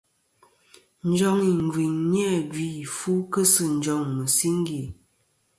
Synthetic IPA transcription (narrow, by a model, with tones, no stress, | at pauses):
n̩˦d͡ʒɔ˦ŋi˨m˨vi˨ŋɲ˦ɛ˦˨bi˦˨fu˦kə˦sɨ˦˨n̩˦d͡ʒɔ˨˦˨ŋmə˨si˦ŋ˦ɡi˨